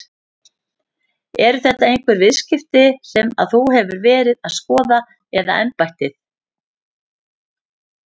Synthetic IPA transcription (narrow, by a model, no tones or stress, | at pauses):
ɛɾʏθɛht̪aejŋ̥kʰvɛɾvɪðscɪft̪ɪsɛma̰ðθuhɛvʏɾvɛːɾɪðaðskɔːða | ɛða̰ʔɛmpajht̪ɪθ